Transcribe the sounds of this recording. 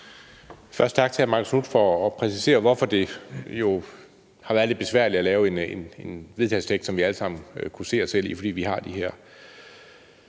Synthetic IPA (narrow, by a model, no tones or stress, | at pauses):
fɶɐsd̥t͡sʰɑ̈ɡ̥̚t͡sʰe̝æmɑ̈ŋəsnud̥fɒ̽ːpʰʁɛsise̝̰ːɐʋɒfɒ̽d̥e̝jo̝ | hɑ̈ʋæːɐd̥e̥b̥e̝sʋæɐ̰lid̥ælɛːʊe̝nenenʋe̝ð̞ˠt͡sʰɛst͡sʰeɡ̥d̥sɒ̽mʋiæləsɑ̈m̰n̩kʰuse̝̰ːɒsel̰ḭfɒ̽d̥ḭːʋiɦɑ̈d̥iɦæɐ̰